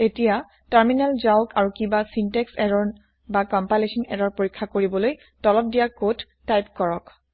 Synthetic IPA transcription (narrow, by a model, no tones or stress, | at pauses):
etija | taɹminalzaʊkaɹukibasintɛksɛɹɔn | bakɔmpalesɔnɛɾɔɹpoɹikʰːakoɹibɔloj | tɔlɔp̚dijakodːajpkɔɹɔk